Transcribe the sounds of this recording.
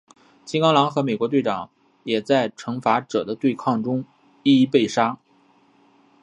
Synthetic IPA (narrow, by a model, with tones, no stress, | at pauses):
t͡ɕi˥ŋkɑ˥ŋlɑ˧˥ŋxɤ˧˥me˨˩ɪkwɔ˧˥t̪we˥˩ɪʈ͡ʂɑ˨˩˦ŋ | jɛ˨˩t͡sa˥˩ɪʈ͡ʂʰɤ˧˥ŋfa˧˥ʈ͡ʂɤ˨˩d̪ə˦t̪we˥˧ɪkʰɑ˥˩ŋʈ͡ʂʊ˥ŋ | i˥˧i˥pe˥˩ɪʂa˥